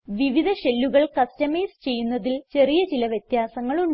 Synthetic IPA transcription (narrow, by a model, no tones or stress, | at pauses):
ʋiʋid̪ʱɐɕe̞lːuɣɐɭkɐstɐmeːst͡ɕe̞jːunːɐðilt͡ɕe̞rijɐt͡ɕilɐʋjɐt̪jaːsɐŋːɐɭu